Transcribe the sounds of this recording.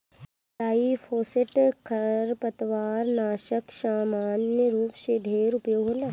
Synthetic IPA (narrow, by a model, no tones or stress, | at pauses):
t̪aːifʰoːseʈkʰɐɾpɐt̪ʋaːɾnaːʃəksaːmaːnjəɾuːpʃeɖʱeːɾʊpjoɦoːla